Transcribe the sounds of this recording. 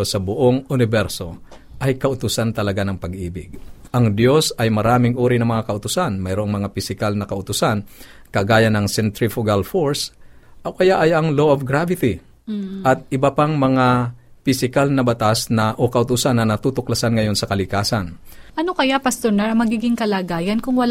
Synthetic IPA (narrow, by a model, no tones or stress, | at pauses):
osɐbʊʔoŋʊnɪbɛɾso̞ | ʔɐjkɐʔʊt̪ʊsant̪ɐlɐɡanɐŋpɐɡʔiːbɪɡ̚ʔɐŋd̪jo̞sɐjmɐɾaːmɪŋʔuːɾɪnɐŋmɐŋakɐʔʊt̪ʊsanmɐjɾoʔoŋmɐŋapɪsɪkalnɐkɐʔʊt̪ʊsankɐɡaːjɐnɐŋsɛnt̪ɾɪfʊɡalfoɹsʔɐkɐjaʔɐjɐŋloʔɐfɡɾavɪt̪ɪ | ʔɐt̪̚ʔɪbɐpaŋmɐŋapɪsɪkalnɐbɐt̪asnɐʔokɐʔʊt̪usanːɐnɐt̪uːt̪ʊklɐsanŋɐjo̞nsɐkɐlɪkaːsɐn | ʔɐnokɐjapɐst̪oɹnaɾɐmɐɡiːɡɪŋkɐlaɡaːjɐnkʊŋwɐl